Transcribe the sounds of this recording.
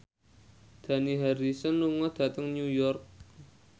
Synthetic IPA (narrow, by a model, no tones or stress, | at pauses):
d̪̥a̤niɦaɾisɔnːuŋɔd̪̥ä̤t̪əŋnujɔrk̚